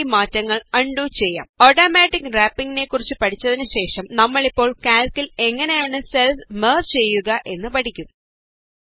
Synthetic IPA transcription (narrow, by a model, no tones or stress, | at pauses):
imaːtːɐŋːɐɭɐɳɖut͡ɕe̞jːa̰ːmoːʈɐːmaːʈːikːraːpːiŋɡine̞kːurit͡ɕːɨpɐʈʰit͡ɕːɐðinɨɕe̞ːʂɐmnɐmːɐɭipːo̞ːɭkaːlkile̞ŋːɐne̞jaːɳɨselfmeːrt͡ɕe̞jːuɣɐʔe̞nːɨpɐʈikʲːum